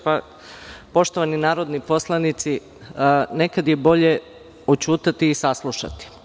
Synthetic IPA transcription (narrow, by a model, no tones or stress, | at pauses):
pa | po̞ʃt̪o̞ʋaninaːɾo̞d̪nipo̞slˠanit̪si | ne̞kad̪jebo̞ʎe̞ | ot͡ɕuːt̪at̪iːsaslˠuʃa̰t̪i̥